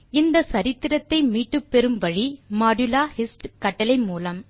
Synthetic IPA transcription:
ɪnd̪ɐsɐɾɪt̪ːɪɾɐt̪ːɐɪmiːʈːɯpːɛɾɯmʋɐɻimaːɖɯlaːhɪsʈkɐʈːɐlɐɪmuːlɐm

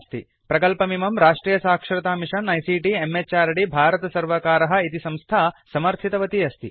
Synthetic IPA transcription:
st̪ʰi | pɾɐkɐlpɐmimɐmɾaːʂʈɾiːjɐsaːkʂɐɾɐt̪aːmiʂɐnːɐjsiːʈiemːet͡ʃaːɾɐɽibʱaːɾɐt̪ɐsɐɾʋɐkaːɾɐɦɐ̆it̪isɐ̃mst̪ʰaːsɐmɐɾt̪ʰit̪ɐʋɐt̪iɐst̪ʰi

